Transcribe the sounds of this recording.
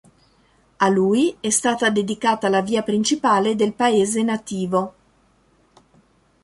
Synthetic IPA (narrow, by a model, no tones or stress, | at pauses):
aluːjɛst̪aːt̪ad̪ed̪ikaːt̪alaviːapɾint͡ʃipaːled̪elpaeːzenat̪iːvo